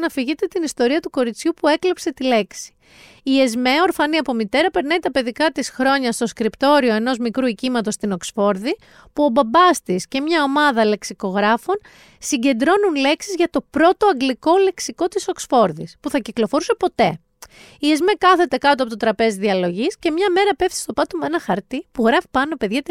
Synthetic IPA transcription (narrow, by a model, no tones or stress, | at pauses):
nɐfiʝit̪e̞t̪inist̪o̞ɾiɐt̪uko̞ɾit͡sçupue̞klepse̞t̪ile̞ksi̥ | iezme̞o̞ɾfɐniɐpo̞mit̪e̞ɾɐpe̞ɾnɐit̪ɐpe̞ðikɐt̪isxɾo̞ɲɐst̪o̞skɾipt̪o̞ɾio̞e̞no̞zmikɾuicimɐt̪o̞st̪ino̞ksfo̞ɾði | puo̞bɐbɐst̪isce̞mɲɐo̞mɐðɐle̞ksiko̞ɣɾɐfo̞n | siɲɟe̞nd̪ɾo̞nunle̞ksizʝɐt̪o̞pɾo̞t̪o̞ɐɡliko̞le̞ksiko̞t̪iso̞ksfo̞ɾðispuθɐciklo̞fo̞ɾuse̞po̞t̪e̞ | ie̞zme̞kɐθe̞t̪e̞kɐt̪oɐpo̞t̪ot̪ɾɐpe̞zðiɐlo̞ʝisce̞mɲɐme̞ɾɐpe̞ft̪i̥st̪o̞pɐt̪omenɐxɐɾt̪ipuɣɾɐfi̥pɐno̞pe̞ðʝɐt̪